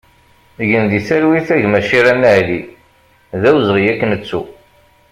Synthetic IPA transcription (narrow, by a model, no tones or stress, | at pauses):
ʝənðisæɾwiθæʝmæʃiɾænːæʕli | ðæwzʁijækːnət͡sːu